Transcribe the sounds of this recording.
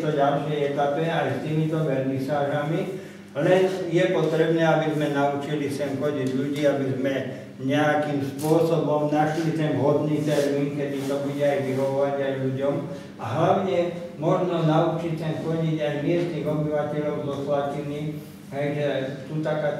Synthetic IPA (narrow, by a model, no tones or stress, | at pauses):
t̪ɔɟalʃɛjɛt̪apɛalɛst̪iːmit̪ɔʋɛɾmisaːʒami | lɛnjɛpɔt̪ɾɛbnɛːabizmɛnaut͡ʃilisɛmxɔɟiɟlʎuɟiːabizmɛ | ɲɛakimspʊɔsɔbɔmnaʃlit̪ɛmɦɔd̪nit̪ɛɾjiŋkɛd̪it̪ɔbuɟɛajʋiɦɔʋɔʋaɟajʎuɟɔm | a̰ɦlaʋɲɛmɔʒnɔnaut͡ʃict̪ɛnxɔɟiɟajmɪɛzniɣɔbiʋacɛʎɔʊzɔslat̪iniː | ɦɛjʒɛt̪ut̪akaː